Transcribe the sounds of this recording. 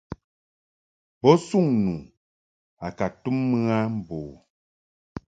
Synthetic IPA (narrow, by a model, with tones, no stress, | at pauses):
bɔ˦su˦˨ŋnu˨ | a˨ka˨tu˦mːɨ˦a˦m̩˦boː˨